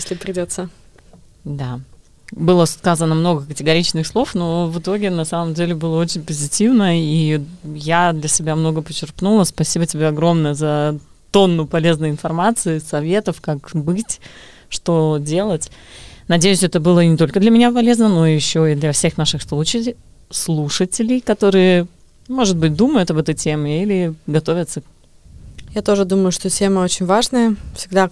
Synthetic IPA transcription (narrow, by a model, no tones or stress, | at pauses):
jsʲlʲɪpɾʲɪdʲot̪sːə | d̪a | bɨlˠəskazənəmno̞ɡəkətʲɪɡɐɾʲit͡ɕnɨxslˠo̞fno̞vɨt̪o̞ɡʲɪnɐsaməmdʲelʲɪbɨlˠəo̞t͡ɕɪnʲpəzʲɪtʲivnəijad̪lʲɐsʲɪbʲamno̞ɡəpət͡ɕːɪrknulˠəspɐsʲibətʲɪbʲeɐɡɾo̞mnəjəzɐ | t̪o̞nːʊpɐlʲeznɨjəɪnfɐrmat̪sɨɪsɐvʲe̞t̪əfkakbɨtʲ | ʂt̪o̞dʲe̞lˠətʲnɐdʲejʉsʲɛt̪əbɨlˠənʲɪt̪o̞lʲkəd̪lʲəmʲɪnʲapɐlʲe̞znəno̞jɪɕːo̞id̪lʲɐfsʲe̞xnaʂɨxslˠut͡ɕɪ | slˠuʂətʲɪlʲɪjkɐt̪o̞ɾɨjə | mo̞ʐɨd̪̚bɨt̚ʲd̪uməjʊt̪ɐbɛt̪əjtʲemɪilʲɪɡɐt̪o̞vʲət̪sə | jat̪o̞ʐɨd̪uməjʊʂt̪otʲeməot͡ɕɪnʲvaʐnəjəfsʲɪɡd̪a